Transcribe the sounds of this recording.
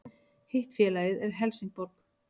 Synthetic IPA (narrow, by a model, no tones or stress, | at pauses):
hejht̪fjɛːlaːjɪðɛɾ̥ɦɛlsiŋk̚pɔɾk